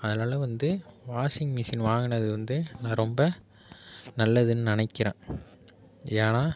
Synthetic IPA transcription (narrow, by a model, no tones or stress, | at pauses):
ɐðɐnaːlɐʋɐnd̪ɯʋaːsɪŋɡmɪsɪnʋaːŋɡɐnɐðɯʋɐnd̪ɯnãːɾɔmbɐ | nɐlːɐðɯnːɯnɪnɐɪkːɪɾã̰ː | aːnaː